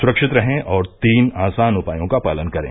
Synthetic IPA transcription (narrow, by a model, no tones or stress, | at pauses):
sʊɾəkʃɪt̪ɾɐɦẽʔɔːɾt̪iːnaːsaːnʊpaːjõkapaːlənkɐɾḛ̃ː